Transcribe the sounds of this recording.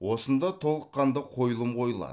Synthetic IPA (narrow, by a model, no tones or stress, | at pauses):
wo̞sənd̪ɑt̪ʰo̞lˠəqːɑnd̪əqʰo̞jəlˠəmqʰo̞jəlˠɑ̰